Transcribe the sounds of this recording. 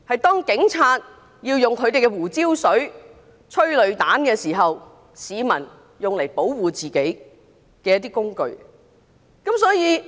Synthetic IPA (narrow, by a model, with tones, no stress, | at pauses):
hɐ˨jt̪ɔː˥ŋkɪ˨˥ŋt͡sʰaː˧t̚ | jiː˧wjʊ˨ŋkʰɵ˨˧ɥt̪e˨jkɛ˧wuː˨˩t͡siː˥wsɵ˨˥ɥ | t͡ʃʰɵ˥ɥlɵ˨˧ɥt̪aː˨˥nkɛː˧siː˨˩ɦɐ˨w | siː˨˧mɐ˨˩n | jʊ˨ŋle˨˩jpo˨˥wwuː˨t͡siː˨ke˨˥j | kɛː˧jɐ˥t̪iː˥kʊ˥ŋkɵ̰˨˧ɥ | kɐ˨˥msɔː˨˥jiː˨˧